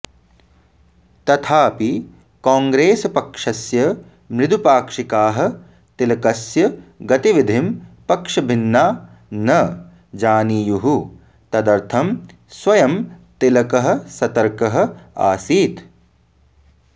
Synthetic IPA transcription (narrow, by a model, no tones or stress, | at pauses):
t̪ɐt̪ʰaːpi | kaːŋɡɾeːsɐpɐkʂɐsjɐ | mɾɪd̪ʱupaːkʂikaːɦɐ̆ | t̪ilɐkɐsjɐɡɐt̪iʋid̪ʱimpɐkʂɐbʱinːaː | nɐ | d͡ʒaːniːjuɦu | t̪ɐd̪ɐɾt̪ʰɐm | swɐjɐmt̪ilɐkɐɦɐ̆sɐt̪ɐɾkɐɦɐ̆a̰ːsiːt̪